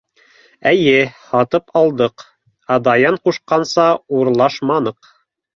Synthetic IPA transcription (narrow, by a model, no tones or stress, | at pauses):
æjɘhɑt̪ɤpʰɑlˠd̪ɤq | ɑd̪ɑjɑɴquʃqɑnsɑuɾlˠɑʃmɑnɤq